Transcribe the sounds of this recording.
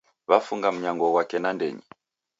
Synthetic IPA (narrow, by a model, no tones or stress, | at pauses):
βafuŋɡam̩ɲaŋɡɔwakɛnandɛ̰ɲḭ